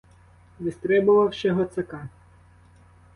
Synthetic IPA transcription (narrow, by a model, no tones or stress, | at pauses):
ʋɪst̪ɾɛbʊʋɐwʃɛɦɔt̪sɐkɑ